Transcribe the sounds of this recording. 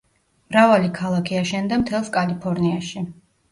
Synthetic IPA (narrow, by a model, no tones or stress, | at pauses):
mɾavalikʰalˠakʰiaʃɛnd̪amt̪ʰɛlˠskʼalipʰɔɾniaʃi